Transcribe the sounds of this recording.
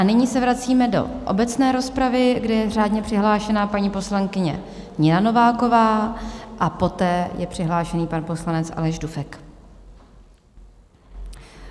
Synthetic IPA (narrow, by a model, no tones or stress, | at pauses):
ʔanɪɲiːsɛvɾat͡siːmɛdo̞̰ʔo̞̰bɛt͡snɛːɾo̞spɾavɪɡdɛjɛr̝aːdɲɛpr̥ɪɦlaːʃɛnapaɲiːpo̞slaŋkɪɲɛ̰ | ɲɪnano̞vaːko̞vaːʔapo̞t̪ɛːjɛpr̝̥ɪɦlaːʃɛniːpanpo̞slanɛt͡sʔa̰lɛʒdufɛk